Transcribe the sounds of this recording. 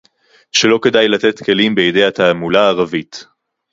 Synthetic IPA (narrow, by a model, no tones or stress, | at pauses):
ʃelo̞ke̞dajlat̪et̪kʰe̞limbejedejat̪aːmulaːʁavit̪